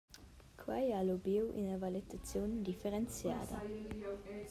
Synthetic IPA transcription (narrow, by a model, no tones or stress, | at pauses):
kʰwajalubiwʔḭnəvalit̪at͡sjond̪ifeɾɛnt͡sja̰ːd̪ɐ̰